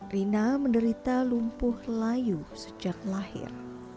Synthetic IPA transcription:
rinaməndəɾit̪alumpʊhlajusə̥d͡ʒak̚lahɪ̰r

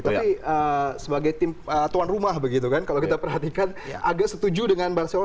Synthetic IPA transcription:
t̪apiəsəbaɡajt̪ɪmət̪uwanrumahbəɡit̪ukankalowkit̪apərɦat̪ikan | ʔaɡaʔsət̪ud͡ʒudəŋanbarso

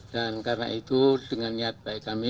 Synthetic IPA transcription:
t̪ankarna̰ʔit̪uləŋanɲat̪̚paikami

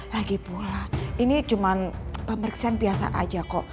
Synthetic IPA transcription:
laɡipulaʔinit͡ʃumanpəməriksianbiasa̰ʔa̰d͡ʒakɔʔ

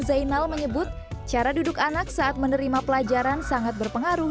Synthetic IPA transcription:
zainalməɲəbʊt̪̚t͡ʃaɾadudʊkanak̚saːt̪̚mənəɾimapəlad͡ʒaɾansaŋat̪̚bərpəŋaɾʊ

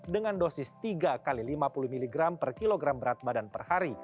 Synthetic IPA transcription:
dəŋandosɪst̪iɡakalilimapuluhmiliɡɾampərkiloɡɾambəɾat̪̚badanpərhaɾi

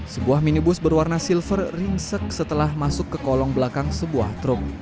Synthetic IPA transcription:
səbuahminibʊsbərwarnasilfərriŋsək̚sət̪əlahmasʊkːəkɔlɔŋbəlakaŋsəbua̰ht̪ɾʊk̚

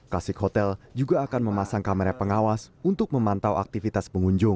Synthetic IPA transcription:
kasɪkhot̪ɛld͡ʒuɡaːkanməmasaŋkaməɾapəŋawasunt̪ʊk̚məmant̪awa̰k̚t̪ifit̪aspəŋuɲd͡ʒʊŋ

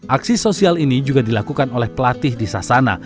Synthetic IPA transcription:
ʔaksisosialinid͡ʒuɡadilakukanolɛhpəlat̪ɪhdisasana̰

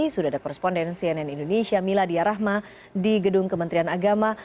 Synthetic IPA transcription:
isudaadakɔɾɛspɔndɛnsiɛnɛnindonesiamiladiaɾaɦma | diɡədʊŋkəmənt̪ɾianaɡama

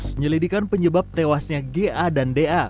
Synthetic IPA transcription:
əɲəlidikanpəɲəbap̚t̪ewasɲaɡeʔadandeʔa

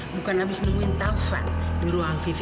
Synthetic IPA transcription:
bukanabisnəmuint̪aufa̰buɾuaŋfif

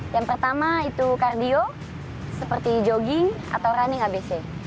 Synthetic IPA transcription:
jaŋpərt̪amait̪ukardio | səpərt̪id͡ʒoɡɪŋ | a̰t̪awɾaniŋabese

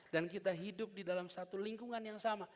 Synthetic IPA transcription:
dankit̪aɦidʊp̚didalamsat̪uliŋkuŋanjaŋsama

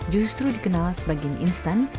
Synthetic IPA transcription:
d͡ʒust̪ɾudikənãlsəbaɡianʔinst̪ãn

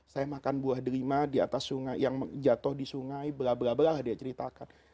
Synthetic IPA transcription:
sajamakanbuahdəɾimadia̰t̪asːuŋajjaŋd͡ʒat̪ʊhdisuŋajbəɾabəɾabəɾaadiat͡ʃəɾit̪akan

